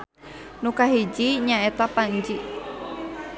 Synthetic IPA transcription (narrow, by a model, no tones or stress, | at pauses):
nukaɦid͡ʒiɲaet̪apaɲd͡ʒi